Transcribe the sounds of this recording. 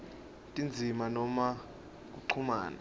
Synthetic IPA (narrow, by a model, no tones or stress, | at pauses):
tʼind͡zʱimanɔma | k̬ʼuǀʰuma̰ːna̰